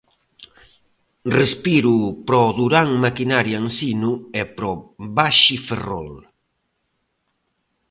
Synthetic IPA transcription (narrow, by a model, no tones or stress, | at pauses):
respiɾupɾɔðuɾaŋmakinaɾjansinuɛpɾɔβaʃiferɔ̰l